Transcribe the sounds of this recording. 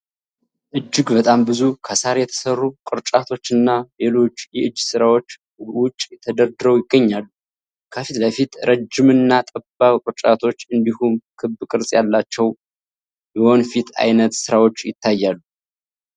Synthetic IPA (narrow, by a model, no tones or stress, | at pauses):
ʔɨd͡ʒːɪɡbət̪ʼambɨzukʰəsaɾjɛt̪ʰə̥sərːukʼɨɾt͡ʃʼat̪ʰo̞t͡ʃːɨnːale̞lo̞t͡ʃːjɛʔɨd͡ʒːsɨɾawo̞t͡ʃː | wʊt͡ʃʼːjɛt̪ʰəd̪əɾd̪ɨɾəwjɪɡːəɲːalːu | kʰəfit̪ləfit̪ɾʔəd͡ʒɪmɨnːat̪ʼəbakʼɨɾt͡ʃʼat̪ʰo̞t͡ʃːɨnd̪ihumkʰɨbːkʼɨɾsʼjalːat͡ʃːɛw | bəho̞nfit̪ʰa̰jnət̪sɨɾawo̞t͡ʃːjɪt̪ʰːajːalːu